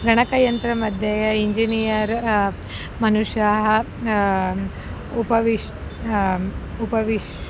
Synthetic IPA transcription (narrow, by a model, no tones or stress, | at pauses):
ɡɐɽ̃ɐkɐjɐnt̪ɾɐmɐd̪ʱjeiɲd͡ʒinijɐɾ | mɐnuʂjaɦ | upɐʋiʂ | upɐʋiʃ